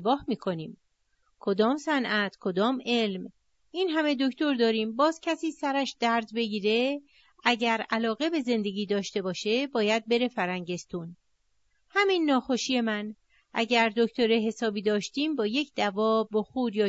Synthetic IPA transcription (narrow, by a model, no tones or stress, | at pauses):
bɒːhmiːkʰo̞niːm | kʰo̞d̪ɒːmsænʔæt̪ʰkʰo̞d̪ɒːme̞lm | ʔinɦæme̞d̪o̞ct̪o̞ɾd̪ɒːɾiːmbɒːzcʰæsiːsæɾæʃd̪æɾzbe̞ɟiːɾe̞ | ʔæɟæɾælɒːɣe̞be̞ze̞nd̪e̞ɡʲiːd̪ɒːʃt̪e̞bɒːʃe̞bɒːjæd̪̚be̞ɾe̞fæɾæŋɟe̞st̪uːn | hæminːɒːxo̞ʃiːje̞mæn | ʔæ̰ɟæɾd̪o̞ct̪o̞ɾeɦe̞sɒːbiːd̪ɒːʃt̪iːmbɒːje̞cʰd̪̥ævɒːboxuːɾjɒː